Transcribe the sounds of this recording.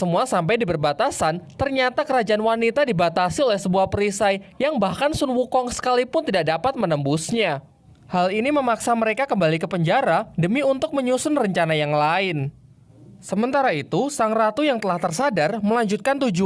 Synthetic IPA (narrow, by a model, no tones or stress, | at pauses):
səmuasamp̬ajdibərbat̪asant̪ərɲat̪akəɾad͡ʒaanwanit̪adibat̪asiolɛhsəbuahpəɾisajjaŋbahkansʊnwukɔŋsə̥kalipʊnt̪idak̚dapat̪̚mənəmbusɲa | haliniməmaksaməɾekakəmbalikəpəɲd͡ʒaɾadəmiunt̪ʊk̚məɲusʊnrəɲt͡ʃanajaŋlaɪn | səmənt̪aɾait̪usaŋrat̪ujaŋt̪əlaht̪ərsadarməlaɲd͡ʒut̪̚kant̪ud͡ʒu